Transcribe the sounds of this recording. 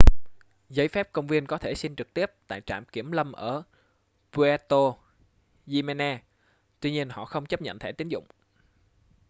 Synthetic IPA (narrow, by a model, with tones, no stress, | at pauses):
zə˨˦jfɛ˦˥p̚kə˧wŋ͡mvi˧ənkɔ˨˦t̪ʰe˧˩si˧ŋt͡ɕɨ˨˩k̚t̪i˦˥əp̚t̪a̰ː˧˨jt͡ɕa̰ː˧˩mki˧˩əmlə˧mʔəː˧˩ | pu˧a˧t̪o˧ | zi˧me˧naː˧ | t̪wi˧ɲi˧ənhɔ̰˧˨xə˧wŋ͡mt͡ɕə˦˥p̚ɲə̰˧˨nt̪ʰe˧˩t̪i˨˦ŋzʊ̰˧˨ŋ͡m